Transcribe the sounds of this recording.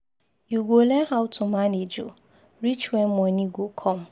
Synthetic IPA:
juɡolɛnɦaʊtʰumaned͡ʒo̰ | ɾit͡ʃwɛnmɔniɡokʰɔm̩

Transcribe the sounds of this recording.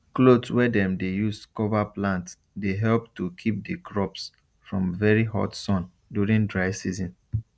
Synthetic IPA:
klodswɛdɛ̃mdejuskɔvaplãnts | deɦɛlp̚tukʰip̚dəkʰɹɔps | fɹɔ̃mvɛɹihɔ̰tsɔ̃n | djuɹĩŋdɹaɪsizɔ̃n

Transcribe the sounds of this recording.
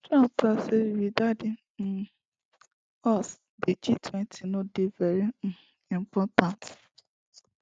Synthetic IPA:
tuãtasewidadẽ | ɔs | ded͡ʒitʰwɛ̃ntʰinõdevɛɾĩ | ĩm̩pɔtãnt

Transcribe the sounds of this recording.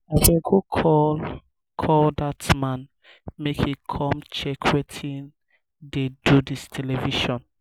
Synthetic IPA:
afeɡukʰɔl | kʰɔldatmãn | mekhikʰɔ̃mt͡ʃɛkʰwetʰĩn | dedudistʰɛlɛviʃɔ̃n

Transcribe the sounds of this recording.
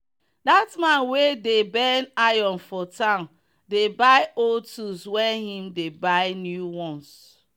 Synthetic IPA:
datmãnwedebɛnajɔ̃nfɔtãʊ̃n | debaɪoltuswɛhĩmdebaɪnjuwɔ̃ns

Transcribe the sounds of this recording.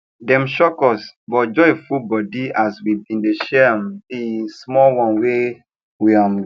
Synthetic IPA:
dɛ̃mʃɔkɔsbɔd͡ʒɔefubɔdiaswidĩndeʃɛmĩsmɔlwɔ̃nwe | wiam

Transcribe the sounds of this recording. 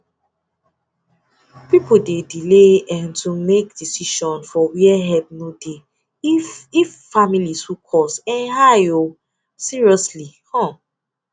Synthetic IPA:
pipodedileɛ̃ntʰumekd̥isiʃɔ̃nfɔwiɛɦɛp̚node | fifːamilishukʰɔsɛ̃nɦajo | siɹiɔslihɔ̃

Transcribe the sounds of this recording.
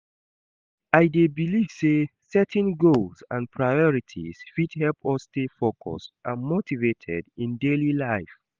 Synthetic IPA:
aɪdebiliv̥sesɛtʰɛ̃nɡolsãnpʰɹajɔɹitʰḭz̥fidhɛlpʰɔstefokʰɔ̰stʔamotivetʰɛ̰dĩndelilaɪf

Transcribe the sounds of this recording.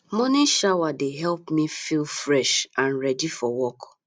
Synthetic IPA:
mɔniʃawadeɦɛlˠpmifilfɹɛʃãnɹɛdifɔwɔk

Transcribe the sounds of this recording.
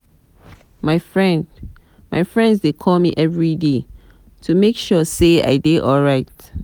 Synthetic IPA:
maɪfɹɛ̃nd | maɪfɹɛ̃ndsdekʰɔlmiʔɛvɹide | tʰumekʃɔsea̰ɪdeʔɔlɹaɪt

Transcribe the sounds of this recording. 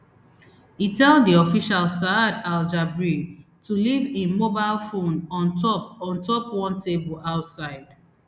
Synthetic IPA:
itɛlddiɔfiʃalsadald͡ʒabɹi | tulivemobaɪlfõnɔ̃ntɔpɔ̃ntɔpwɔ̃ntʰebəlaʊtsaɪd̥

